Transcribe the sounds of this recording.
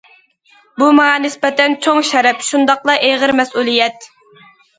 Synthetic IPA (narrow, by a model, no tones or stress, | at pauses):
bumɑŋɑnɪspɛt̪ʰɛnt͡ʃʰoŋʃɛɾɛpʃund̪ɑqlˠɑʔeʁəɾmɛsulˠijɛt̪